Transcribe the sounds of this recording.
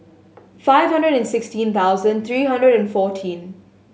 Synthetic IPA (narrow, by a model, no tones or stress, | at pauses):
faɪʋɦʌ̃nɖɹəɖɛ̃nsɪksʈĩnt̪ʰaʊzə̃nɖ̚t̪ʰɾiːɦʌ̃nɖɹəɾɛ̃nfɔːʈʰĩn